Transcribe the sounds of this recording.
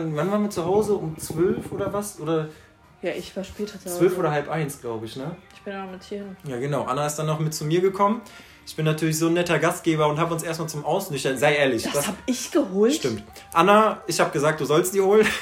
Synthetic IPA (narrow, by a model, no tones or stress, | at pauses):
nvanvaːɐ̃nviɐt͡suɦaʊzəʔʊmt͡sv̥œlfʔoːdɐvasʔoːdɐ | jaːʔɪçv̥aːɐʃpɛːtɐt͡svvœlfʔoːɾɐhalpʔaɪnsɡ̥laʊbəɪçnəɪçb̥ɪnanmɪtiːɪnjaːɡənaʊʔanaɪstd̥anːɔχmɪt̚t͡sumiːɐɡəkʰɔmən | ʔɪçb̥ɪnːatʰyːɐlɪçz̥oːnːɛtɐɡast̚ɡ̥eːbɐʊnthaːbʊnsʔeːɐstmaːlt͡sʊmʔaʊsnɪçɐzaɪʔeːɐlɪç̥ahaːpɪçɡ̥əɦoːlʃtɪmt | ʔanaʔɪçhaːbəɡ̥əzaːk̚d̥uːzɔlst̚d̥iːɐhoːlən